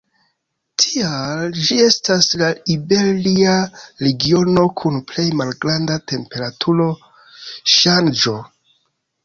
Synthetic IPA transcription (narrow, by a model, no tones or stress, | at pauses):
tʰiald͡ʒie̞staslaibeliaɾe̞ɡio̞no̞kʰunple̞jmalɡɾandate̞mpe̞ɾatʰuɾo̞ | ʃand͡ʒo̞